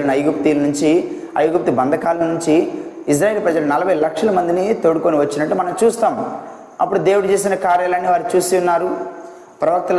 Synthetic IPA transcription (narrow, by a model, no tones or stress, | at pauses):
lɐnɐjɡup̚t̪iːlɐnuɲt͡ʃi | ɐ̰jɡup̚t̪ibɐnd̪ʱɐkaːlɐɐnuɲt͡ʃi | is̬ɾaːje̞ːlɐpɾɐd͡ʒɐlɐnɐlɐbʱɐjlɐkʂɐlɐmɐnd̪init̪oɽukoniʋɐt͡ʃːinɐʈːumɐnɐmt͡ʃuːst̪aːm | ɐpːuɽud̪e̞ːwuɽut͡ʃeːs̬inɐkaːɾjalanːiʋaːɾut͡ʃuːsiunːaːɾu | pɾɐʋɐk̚t̪ɐl